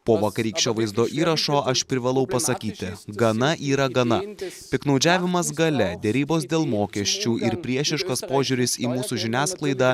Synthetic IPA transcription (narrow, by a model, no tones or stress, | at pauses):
poːʋɐkɐɾʲiːkʃʲt͡ʃʲoːʋɐɪzd̪oːʔiːɾɐʃoːʔɐʃpʲɾʲɪʋɐlˠɐʊpɐsɐkʲiːt̪ʲɪɡɐnɐʔiːɾɐɡɐnɐpʲɪknɐʊd͡ʒʲæːʋʲɪmɐs̬ɡɐlʲɛd̪ʲɛɾʲiːboːsd̪ʲeːlˠmoːkʲɛʃʲt͡ʃʲuːʔɪɾpʲɾʲiɛʃʲɪʃkɐspoːʒʲuɾʲɪsiːmuːsuːʒʲɪnʲæːsklˠɐɪd̪ɑ